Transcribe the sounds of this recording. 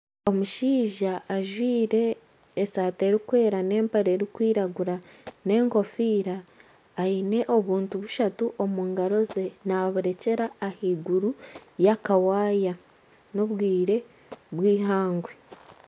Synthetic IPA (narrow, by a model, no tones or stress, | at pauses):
o̞muʃiːʒaːʒwiːɾe̞ː | saːte̞ɾikwe̞ːɾane̞ːmpaɾe̞ɾikwiːɾaɡuɾane̞ːŋko̞fiːɾaː | ine̞ʔo̞βuːntuβuʃatuʔo̞muːŋɡaɾo̞ze̞naβuɾe̞ce̞ɾaːhiɡuɾujakawaːja | no̞βwiːɾe̞ | βwiːhaːŋɡwe